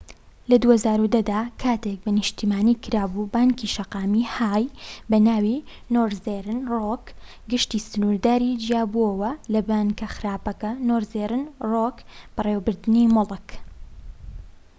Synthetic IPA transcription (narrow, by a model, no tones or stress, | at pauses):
lɐd̪uhɐzaːɾud̪ɐd̪aːkʰaːt̪ek̚bɐnɨʃt̪iːmaːniːkʰɨɾaːbubaːŋkiʃɐqɑːmihaːjbɐnaːwi | noːɾzeɾɨnrok | ɡɨʃt̪isɨnuɾd̪aːɾid͡ʒjaːbuɐwɐlɐbaːŋkɐxɨɾaːpɐkɐnoːɾzeɾɨnrokb̥ɐrewbɨɾd̪ɨnimʊlɨk